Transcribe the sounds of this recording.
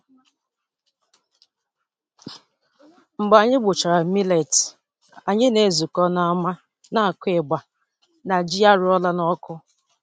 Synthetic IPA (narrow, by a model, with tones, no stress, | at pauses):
ŋ͡m̩˨ɡ͡ba˨ɲɪ˦ɡ͡bʊ˨t͡ʃa˨ɾa˨mi˦le˨t | a˨ɲɪ˦ne˨zu˨kɔ˦na˨a˦˨ma˦ | na˨a˨kʷe˨ɡ͡ba˨ | na˨d͡ʒi˦a˦ɾʊ˦ɔ˦la˦nɔ˦kʊ˦